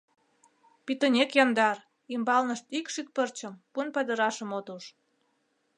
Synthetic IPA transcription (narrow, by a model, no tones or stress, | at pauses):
pit̪ənʲekjɑnd̪ɑr | imbɑlnəʃt̪ikʃyk̪̚pərt͡ɕəmpunpɑd̪əɾɑʃə̆mot̪uʃ